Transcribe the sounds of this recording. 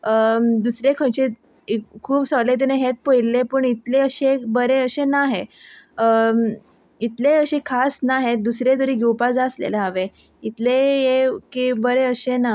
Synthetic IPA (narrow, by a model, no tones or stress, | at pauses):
əd̪usɾekʰəjt͡ɕe | kʰuːpsəlet̪̬eneɦet̪̚pəilːepəɳit̪leəɕebəɾeəɕenaɦeə | it̪leəɕekʰasnaɦed̪usɾed̪uɾiːɡewpad͡zəslḛlaɦaʋe | it̪lejekibəɾeəɕena